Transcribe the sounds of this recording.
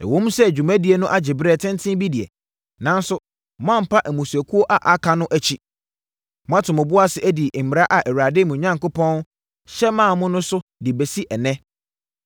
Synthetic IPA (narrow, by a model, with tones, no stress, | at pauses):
ɛ̰˨wõ˦m˦sɛ˦˨d͡ʑᶣu˨mæ̃˦di˨˦e˨nʊ̃˦ʔa˦d͡ʑɪ˨bɾɛ˦˨tʰɪ̃˦n˦tʰɪ̃˦bi˦di˨ɛ̰˨ | nã˦n˦sʊ˦ | m˦ã˦m̩˨pʰa˦ʔæ˨mũ˨sæ˨kʰu˦o˦ʔa˨ʔa˨kʰa˨nʊ̃˦ʔæ˨t͡ɕʰi˦ | m̃˦ã˦tʰʊ̃˨mʊ̃˨bʊ˦a˦sɪ˨ʔæ˦di˨m˨ɾa˦ʔa˨ʔæ˨wa˨dɪ˦mũ˨ɲã˦ŋkʊ˦pʰɔ̃˦n˦ | ɕɛ˦mãː˦˨mʊ̃˦nʊ̃˦sʊ˦dɪ˨be˨si˦ʔɛ˨nɛ̃˦